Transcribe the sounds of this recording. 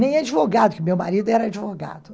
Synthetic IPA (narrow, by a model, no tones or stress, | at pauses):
nẽj̃ad͡ʒivoɡad̪ʊkɪʊmewmaɾid̪ʊɛɾɐad͡ʒivoɡa̰d̪ʊ